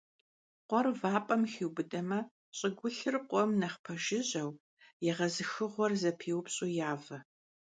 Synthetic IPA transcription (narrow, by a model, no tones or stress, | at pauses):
qʷɔrvaːpʼɐmxiːwbɨdɐmɐ | ɕʼɪɡʷʊɬɨrqʷʼɔmnɐχpʰɐʒɪʑɐw | jɛʁɐzɨxɨʁʷɔrzɐpʰiːwpɕʼuːjaːvɐ